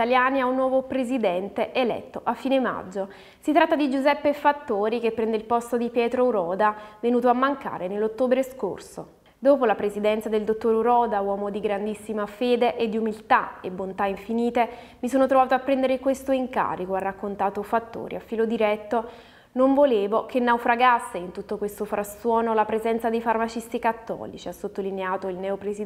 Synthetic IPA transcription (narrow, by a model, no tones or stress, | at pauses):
it̪aljaːniaunːwɔːvopɾezid̪ɛnt̪eʔelɛ̰t̪ːoʔafːiːnema̰d͡ʒːo | sit̪ːɾat̪ːad̪id͡ʒuzɛpːefat̪ːoːɾikepːɾɛnd̪eilpɔst̪od̪ipjɛːt̪ɾouɾɔːd̪avenuːt̪̬oamːaŋka̰ːɾenelːot̪ːoːbɾesko̰rso̰ | d̪oːpolapɾezid̪ɛnt̪sad̪eld̪ot̪ːoɾuɾɔːd̪awɔːmod̪iɡɾand̪isːimafeːd̪eʔed̪ːiumilt̪aḛbːont̪aiɱfiniːt̪e | misoːnot̪ɾovaːt̪oapːɾɛnd̪eɾekwest̪oiŋka̰ːɾikoarːakːont̪aːt̪ofat̪ːo̰ːɾḭafːiːlod̪iɾɛt̪ːo | noɱvoleːvokenːawfɾaɡasːeint̪ut̪ːokwest̪ofɾʔasːwɔːnolapɾezɛnt̪sad̪ejfarmat͡ʃist̪ikat̪ːɔ̰ːlḭt͡ʃiasːot̪ːolineaːt̪oilnɛopɾezi